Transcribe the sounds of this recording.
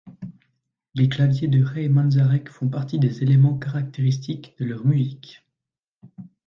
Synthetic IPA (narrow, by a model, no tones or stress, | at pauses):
leklavjed̪əʁɛːmɑ̃nzaʁɛkfɔ̃paʁt̪id̪ezelemɑ̃kaʁak̚t̪eʁis̬t̪ikd̪̥əlœʁmyzik